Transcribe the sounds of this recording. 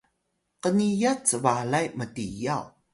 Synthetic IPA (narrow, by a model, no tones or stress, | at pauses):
qənijat͡səvalajmətijaw